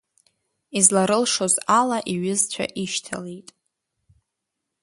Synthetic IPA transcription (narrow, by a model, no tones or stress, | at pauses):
izlaɾɨlʂo̞zalaʔiɥɪzt͡ɕʷʰa̰ʔiʃtʰa̰lejtʼ